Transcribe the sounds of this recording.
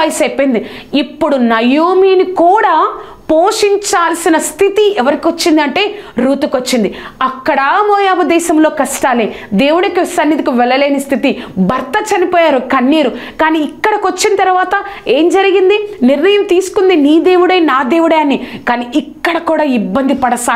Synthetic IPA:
ɐjsepːɐnd̪i | ipːuɽunɐjoːmiːnikuːɽaː | poːʂiɲt͡ʃaːlɐsinɐst̪ʰit̪iɛʋɐɾikiot͡ʃːind̪ɐɳʈe̞ːɾuːt̪ukot͡ʃːind̪iɐkːɐɽɐmoːjaːbɐd̪ɛːʃɐmlo̞ːkɐʂʈaːled̪e̞ːwuɽɐkisɐnːit̪ikuʋɛlːɐleːnɐst̪ʰit̪ibɐɾt̪ɐt͡ʃɐnipoːjaːɾukɐnːiːɾukaːniːkːɐɽɐkot͡ʃːint̪ɐɾuʋaːt̪ɐe̞ːmd͡ʒɐɾiɡind̪iniɾnɐjɐmt̪iːsu̥kund̪iniːd̪eːwuɽɐjnaːd̪eːwuɽɐjɐnːikaːniːʔikːɐɽɐkuːɽaːibːɐnd̪ipɐɽɐsaː

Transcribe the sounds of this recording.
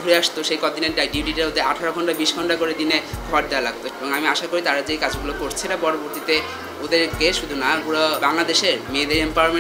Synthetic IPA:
uɾeaʃt̪oʃejkɔt̪ineʈɖajɖibʱɖiʈiaɾod̪eɾaʈʰaɾoɡʱɔɳʈabiʃɡʱɔɳʈakoɾed̪ineɡʱɔɾd̪ealaɡ̚t̪oeboŋamiaʃakoɾit̪aɾad͡ʑejkad͡ʑɡulokoɾt͡ɕʰiɾapɔɾoboɾt̪it̪e | od̪eɾkeʃud̪ʱunapuɾobaŋlad̪eʃeɾmeːd̪eɾempame

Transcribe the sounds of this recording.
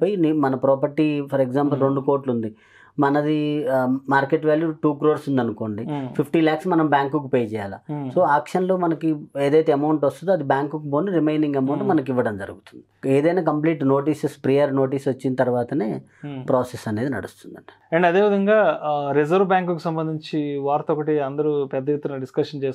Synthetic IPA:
pːjinimɐnɐpɾɔːpɐɾʈipʰɐɾekzaːmpɐlɾe̞ɳɖuko̞ːɾʈlund̪i | mɐnɐd̪imaːɾkeʈʋaːljuʈuːkɾoːɾsund̪ɐnuko̞ːɳɖipʰipʰʈiːlaːksmɐnɐmbjaːŋkukupeːjɐt͡ʃɛːjaːlɐ̰so̞ːaːkʂɐnloːmɐnɐkieːd̪ɐjt̪eɐmɐwɳʈʋɐst̪und̪ɐd̪ibjaːŋkukuboːniɾimejniŋɡɐmɐwɳʈmɐnɐk̬iʋːɐɽɐmd͡ʒɐ̰ɾuɡut̪und̪i̥e̞ːd̪ɐjnaːkɐmpliːʈno̞ːʈ̬iːsespɾijɐɾno̞ːʈ̬iːsʋɐt͡ʃːint̪ɐɾuʋaːt̪ɐne̞ː | pɾoːsesɐne̞ːd̪inɐ̰ɽṵst̪und̪ɐɳɖi̥ | ɐɳɖɐd̪e̞ːʋid̪ɐŋɡaːɾizɐɾʋbaːŋkukusɐmbɐnd̪iɲt͡ʃiʋaːɾt̪ɔkɐʈiɐnd̪ɐɾupɛd̪ːɐjet̪ːunɐɖiskɐʂɐnt͡ʃeːs

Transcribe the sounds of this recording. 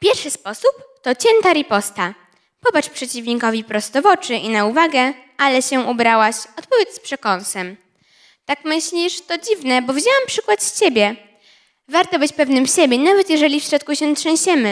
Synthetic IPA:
fpʲjɛɾfʂɘspɔsupt̪ɔt͡ɕɛnt̪aɾʲipɔst̪a | pɔbat͡ʂpʂɛt͡ɕivɲikɔvʲipɾɔst̪ɔvɔt͡ʂɘʔinauvaɡɛ | alɛɕɛʔubɾawaɕɔt̪̚pɔvʲjɛt̪spʂɛkɔnsɛm | t̪akmɘɕlʲiʂt̪ɔd͡ʑivnɛbɔvʲid͡ʑawampʂɘkwat̪st͡ɕebʲjɛ | vaɾt̪ɔbɘt͡ɕpɛvnɘmɕebʲjɛnavɛt̪jɛʐɛlʲifɕɾɔt̪̚kuɕɛt̪ʂɛ̃w̃ɕɛmɘ

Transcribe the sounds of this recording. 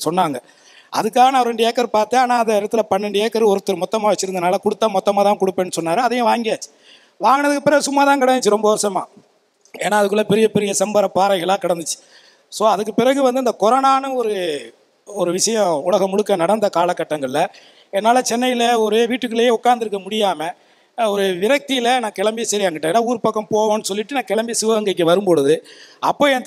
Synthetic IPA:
sɔnːaːŋɡɐ | ʔɐ̰ðɯkːaːɣɐnaʋɾɛɳɖɐjeːkːɐɾɯpaːɾt̪ẽaːnaːɐnd̪ɐɪɽɐt̪ːɯlɐpɐɳːɪɳɖɐeːkːɐɾɯɔɾɯt̪ːɐɾɯmɔt̪ːɐmaːʋɐt͡ʃːɯɾɯnɐnaːlɐkʊɽɯt̪ːaːmɔt̪ːɐmaːt̪aːkɔɽɯpːeːnːɯsɔnːaːɾɯɐðɐjʊ̃ʋaːŋɡɪjaːt͡ʃːɯ̥ | ʋaːŋɡɐɳɐðɯkːɯpːɪɾɐɣɯsʊmːaːt̪aːkɐɽɐnɯt͡ʃːɯɾɔmbɐʋɔsɐma̰ː | eːnːaːɐðɯk̬ːɯɭːɐpɛɾɪjɐpɛɾɪjɐsɛmbɐɾɐpːaːɾɐɪɣɐɭãːkɐɽɐnd̪ɯt͡ʃːɯ̥ | soːɐðɯk̬ːɯpɪɾɐɣɯʋɐnd̪ɯɪnd̪ɐkɔɾɐnaːnɯɔɾɯ | ɔɾɯʋɪʂɐjɐ̃ʊlɐɣɐmʊɽɯkːɐnɐɽɐnd̪ɐkaːlɐkːɐʈːɐŋɡɐɭɪlɐ | ɛnːaːlɐt͡ʃɛnːɐjɪlɐɔɾeːʋiːʈːɯkːɯɭejeːʊkːaːɾnd̪ɪɾɯkːɐmʊɽɪjaːmɐ | ɔɾɯʋɪɾɐk̚t̪ɪjɪlɐnãːkɛɭɐmbɪjɐsɐɾɪjaːŋɡɐʈːẽeːnːaːuːɾɯpɐkːɐ̃mpoːʋõːnːɯsɔlːɪʈːɯnãːkɛɭɐmbɪjsɪʋɐɐŋɡɐk̬ːɯʋɐɾɯmbɔɻɯðɯɐpːoːɛnt̪

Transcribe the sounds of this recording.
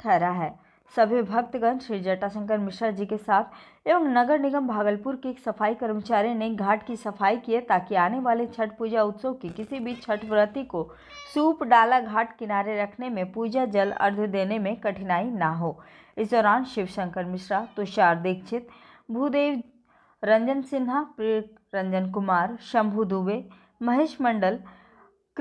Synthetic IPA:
ʈʰɛːɾaɦɛː | sɐbʱɪʋɪbʱɐk̚t̪ɡə̃nʃɾiːd͡ʒɐʈasə̃ŋkəɾmɪʃɾad͡ʒikesaːt̪ʰ | eʋə̃ŋnɐɡəɾnɪɡəmbʱaːɡəlpʊɾkeːksɐfaːikɐɾmət͡ʃaːɾijneɡʱaːʈkisɐfaːikiet̪aːkiaːneʋaːlet͡ʃʰɐʈ̚puːd͡ʒaʊt̪sokikɪsibʱit͡ʃʰɐʈʋɾət̪iko | suːpɖaːlaɡʱaːʈkɪnaːɾeɾɐkʰnemẽpuːd͡ʒad͡ʒɐlɐ̰ɾd̪ʱd̪eːnemẽkɐʈʰɪnaːinaɦoː | ɪsd̪ɔːɾaːnʃɪʋʃɐ̃ŋkəɾmɪʃɾat̪ʊʃaːɾd̪ɪk̚ʰt͡ʃʰɪt̪ | bʱuːd̪eːʋ | ɾɐ̃ɲd͡ʒənsɪnɦapɾeːʈ̚ | ɾɐ̃ɲd͡ʒənkʊmaːɾʃɐ̃mbʱud̪uːʋe | mɐɦeːʃmɐ̃ɳɖəl

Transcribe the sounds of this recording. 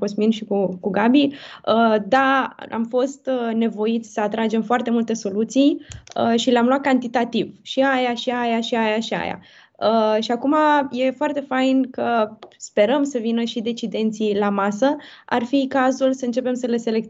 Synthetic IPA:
kosminʃikukuɡabiəd̪aa̰mfo̞st̪ne̞vo̞it̪sʲsəat̪ɾad͡ʒe̞mfoart̪e̞mult̪e̞so̞lut̪sijəʃileamlwat̪̚kant̪it̪at̪ivʃiajaʃiajaʃiajaʃia̰ja̰ | əʃiakumaje̞foart̪e̞fajnkəspe̞ɾəmsəvinəʃid̪e̞t͡ʃid̪e̞nt̪silamasəa̰rfikazulsəɨnt͡ʃe̞pe̞msəle̞se̞lek

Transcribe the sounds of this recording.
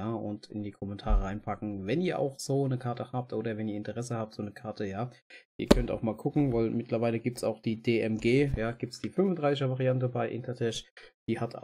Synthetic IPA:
aːʔʊ̰ntɪ̰ndiːkʰɔmɛntʰaːʁəʁaɪnpʰakŋ̩vɛniːɐʔa̰ʊxz̥oːnəkʰaɐtʰəhaːp̚tʔoːɾɐvɛniːɐɪntəʁɛsəhaːp̚tz̥oːnəkʰaɐtʰəjaːʔiːɐkʰœnta̰ʊxmaːlkʰʊkŋ̩vaɪlmɪtlɐvaɪləɡiːp̚tsa̰ʊxd̥iːdeːʔɛmɡeːjaːɡ̥iːp̚tsd̥iːfʏnfʊndʁaɪsɪçʃəvaʁiantəbaɪʔɪ̰ntʰɐtʰɛʃd̥iːhatʰa

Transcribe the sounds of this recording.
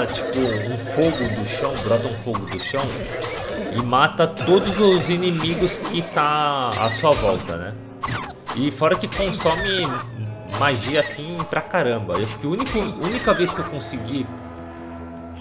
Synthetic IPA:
ɐt͡ʃi̥pʊũfoɡʊd̪ʊʃɐ̃w̃bɾɔt̪ɐũfoɡʊd̪ʊʃɐ̃w̃ | ɪmat̪ɐt̪od̪ʊzʊzinemiɡʊskɪt̪ãa̰suɐvɔwt̪ɐ̰nɛ̰ | ɪfɔɾɐkɪkõsõmɪ | maʒiɐsĩpɾɐkaɾɐ̃mbɐewaʃʊ̥kɪũnikʊunikɐvejskɪewkõsiɡi

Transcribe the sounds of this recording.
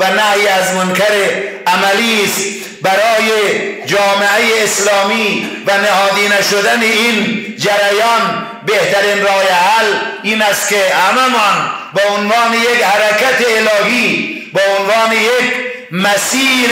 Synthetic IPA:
vanahjiazmʊnkʰaɾe | amælist̪ | baɾɒːjed͡ʒɒːmeajeːslɒːmiːvanehɒːd̪iːnaʃod̪aneind͡ʒaɾajɒːn | beht̪aɾinɾɒːjahaliːnæst̪kehamamɒnbeonvɑːnejekhaɾakat̪eːlɒːɦiː | beonvɒːnejek | mæsiː

